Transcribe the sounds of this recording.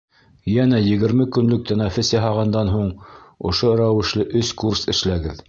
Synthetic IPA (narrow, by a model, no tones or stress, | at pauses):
jænæjɘ̆ɡɘ̆ɾmɘkɵ̆nlɵk̚t̪enɑfʲɘsjɑɦɑʁɑnd̪ɑnɦuɴŏ̰ʃoɾæwɘ̆ʃlɘʔɵskursɘ̆ʃlæɡɘð